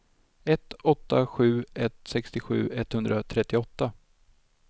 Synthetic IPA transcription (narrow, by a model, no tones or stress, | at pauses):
ɛt̪ɔt̪ːaɧʉ̟ːɛt̪sɛkst̪ɪɧʉ̟̰ːɛt̪hɵnd̪ɾat̪ʰɾɛt̪ːɪɔt̪ːa